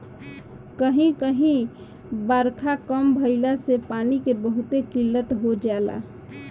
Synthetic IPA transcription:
kəɦĩkəɦĩ | bəɾkʰakəmbʱəɪlasepaːnikebəɦʊt̪ekɪlːət̪ɦod͡ʒaːla̰

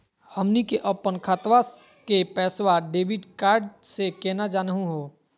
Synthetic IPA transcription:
həmnikeʔəpːənkʰaːt̪wa | kepɛːswaɖeːbɪɖkaːɾɖsekɛːnad͡ʒaːnəɦũɦoː

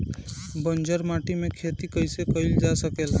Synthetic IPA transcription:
bənd͡ʒəɾmaʈimekʰet̪ikəjsekəɪld͡ʒasəkel

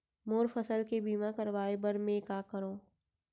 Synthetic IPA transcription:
moːɾfəsəlkebiːmakəɾʋaːebəɾmẽkaːkəɾoː

